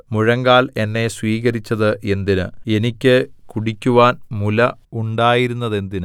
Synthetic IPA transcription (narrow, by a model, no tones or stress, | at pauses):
muɻɐŋɡaːle̞nːe̞sʋiːɣɐɾit͡ɕːɐðɨʔe̞nd̪inɨe̞nikʲːɨkuɽikʲːuʋaːnmulɐuɳɖaːjiɾunːɐðe̞nd̪inɨ